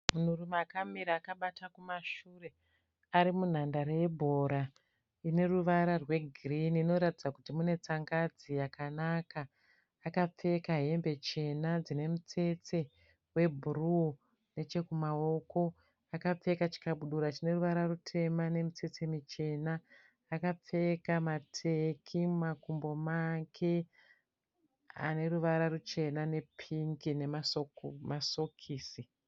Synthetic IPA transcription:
mun̤urumakameɾaːkaɓatakumaʃuːre̞ | aɾimun̤andaɾeje̞bʱo̞ɾa | ine̞ruʋaɾarwe̞ɡʱriniːno̞ɾatid͡zakutimune̞t͡saŋɡad͡zijakanakaː | kap͡fe̞kaɦe̞mbe̞t͡ʃe̞nad͡zine̞mut͡se̞t͡se̞ | we̞bʱuru | ne̞t͡ʃe̞kumao̞ko̞ | akap͡fe̞kat͡ʃi̥kaɓuɗuɾat͡ʃine̞ruʋaɾarutʰe̞mane̞mut͡se̞t͡semit͡ʃe̞naː | kap͡fe̞kamatʰekʰimumakumbo̞makʰe̞ | a̰ne̞ruʋaɾarut͡ʃe̞nane̞pʰiŋɡine̞masomaso̞kʰiːsi

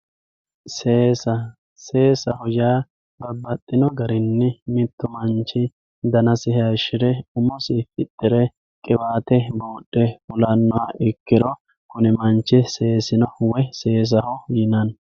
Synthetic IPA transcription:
seːsɐ | se̞ːsɐhɔjaː | bɐbːɐt̪ʼːɪnɔɡɐɾɪnːɪmɪt̪ːʊmɐnt͡ʃːɪ | d̪ɐnɐsɪhɛɐʃɪɾɛʊmɔsɪfɪt̪ʼːɪɾɛ | kʼɪbaːt̪ɛboːɗʼːɛfʊlɐnːɔaɪkːɪɾɔ | kʊnɛmɐnt͡ʃːɪse̞ːsɪnɔwɛse̞ːs̬ɐhɔjɪnɐn

